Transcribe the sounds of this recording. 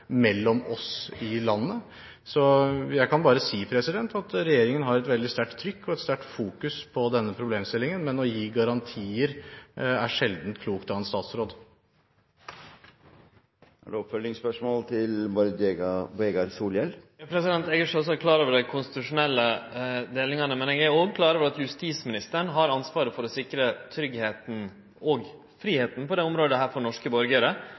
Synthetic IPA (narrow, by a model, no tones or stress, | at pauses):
mɛlːɔmɔsɪlɑnːə | sɔjæɪkɑnbɑːɾəsiːpʰɾɛsɪd̪ɛnt̪ɑt̪ɾɛjeːɾɪŋənɦɑɾɛt̪ʋɛld̪ɪst̪æʈt̪ʰːɾʏkːɔɛt̪st̪æʈfuːkʉspʰɔd̪ɛnːəpʰɾʊbleːmst̪ɪlːɪŋənmɛnɔjiːɡɑɾɑnt̪ʰiːəɾæʂɛld̪n̩t̪kʰluːkt̪ɑɛnst̪ɑːt̪sɾoːd̪ | æ̰ɖɛɔpfœlːɪŋspœʂmoːlt̪ʰɪlbɔɾd̪eɡbeːɡɑɾsuːljɛlpʰɾɛsɪd̪ɛnt̪ɛɡəʂɔs̬ɔækʰlɑːɾoːʋəɖæɪkʰʊnst̪ɪ̥t̪ʉʂʊnɛlːəd̪eːlɪŋɑnəmɛnɛːɡæoːɡkʰlɑːɾoːʋəɾɑt̪jʉst̪iːsmɪnɪst̪əɳɦɑɾɑnsʋɑːɾəfɔɾɔsɪkɾət̪ʰɾʏɡheːt̪n̩ | ɔɡ | fɾiːheːt̪n̩pʰɔd̪eːʊmɾoːd̪əɦæːɾfɔɳɔʂkəbɔɾɡəɾə